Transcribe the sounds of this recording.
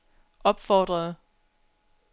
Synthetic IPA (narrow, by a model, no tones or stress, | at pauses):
ʔɒ̽b̥fɒ̰ːd̥ʁɐð̩ˠ